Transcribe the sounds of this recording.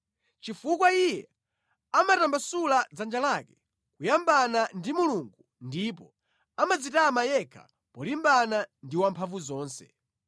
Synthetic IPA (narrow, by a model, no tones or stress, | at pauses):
t͡ʃifukwaijɛ | amatambasulad͡zand͡ʒalakɛ | kujambanandimuluŋɡu | ndipɔ | amad͡zitamajɛkʰḁ̰ | pɔlimbanandiwampʰaɱvuzɔːnsɛ̰